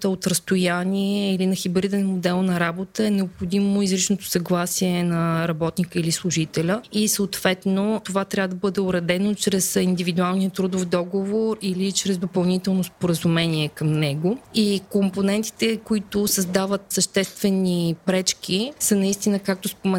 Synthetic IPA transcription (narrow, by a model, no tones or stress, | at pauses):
t̪əot̪ɾəst̪ojanʲiɛilinɐxibɾid̪ɛnmod̪ɛlˠnɐɾabot̪əɛnɛopxod̪imoizɾit͡ʃnot̪o̥sɐɡlˠasiɛnɐɾɐbɔt̪nikəilislˠʊʒit̪ɛlʲəisəoːt̪v̥ɛt̪not̪ovat̪ɾʲavəd̪əbɤd̪ɛʊɾɛd̪ɛnot͡ʃɾɛsind̪ivid̪ualˠnijət̪ɾud̪ofd̪ɔɡovoɾilit͡ʃɾɛzd̪opɐlˠnit̪ɛlˠnospoɾəzumɛniɛkəmnɛɡʊikomponɛnt̪i̥t̪ɛkoit̪ʊsəzd̪avət̪səʃt̪ɛst̪vɛnipɾɛt͡ʃk̟ʲisənɐist̪inəkak̚t̪ʊspomɛ